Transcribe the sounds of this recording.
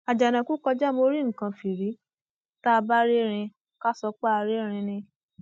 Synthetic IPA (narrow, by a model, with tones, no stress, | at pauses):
a˨d͡ʒa˨nã˨ku˦kɔ˧d͡ʒa˦mo˧ɾi˦ŋ̩˨kã˧fi˨ɾi˨˦ | ta˦˧ba˦ɾe˦ɾ̃ĩ˧ | ka˦sɔ˧˦k͡pa˦a˧ɾe˦ɾ̃ĩ˧nĩ˧